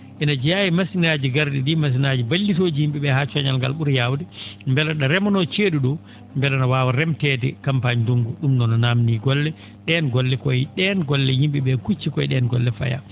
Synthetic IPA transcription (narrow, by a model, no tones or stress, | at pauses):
ʔɛnad͡ʒɛjajimasinaːd͡ʒiɡaɾdiɗimas̬inad͡ʒibalːitod͡ʒijimɓiɓɛhat͡ʃɔɲalŋɡa̰lɓuɾjawdɛmbɛlaɗaɾɛmɔnɔt͡ʃeɗuɗɔ | mbɛlanawaːwaɾɛmtɛtɛ̰kampaɲduŋɡuɗumnɔnɔnaːmniːɡɔlːɛ | ɗɛnɡɔlːɛkɔjiɗɛnɡɔlːɛjimɓiɓɛkut͡ʃːikɔjɗɛnɡɔlːɛfa̰ja̰